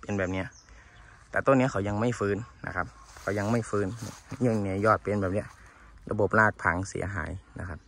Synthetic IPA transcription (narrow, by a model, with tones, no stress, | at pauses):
pe˧˨nbɛː˨p̚ni˧˥ɐ | t̪ɛː˨˩t̪o˧˨nːi˧˥˨kʰa˧˩wjɲa˧ŋma˥˩jfɯː˧˥nːa̰˧kʰa˧˥p̚kʰa˧˩wɲa˧ŋma˥˩jfɯː˧˥n˧˥˧ɲo˧˩˨ni˧˥˨jɔː˧˩t̪̚pe˧˨nbɛː˨˩p̚ni˧˥ɐ | lʔa̰˧bo˨˩˦p̚laː˧˩k̪̚pʰa˨˦ŋsḭ˩˦ɐɦa̰ː˩˦jna̰˧˥kʰa˧p̚